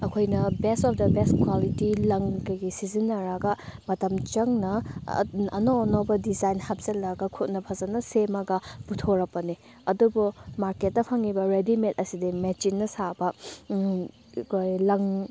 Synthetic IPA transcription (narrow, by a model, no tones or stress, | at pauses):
ɐkʰojnɐbestɔp̚ʰdɐbeskʰwalitilɐŋkɐjɡisizinːɐɾɐɡɐmɐtɐmt͡ʃɐŋnɐ̰ | ɐnoːnobɐdizajnhɐp̚zelːɐɡɐkʰut̚nɐpʰɐzɐnɐsemɐɡɐb̥utʰoɾɐk̚pɐni | ɐdubumaɾket̚ːɐpʰɐŋibɐɾedimetɐsidimet͡ʃinːɐsabɐ | kʰojlɐŋ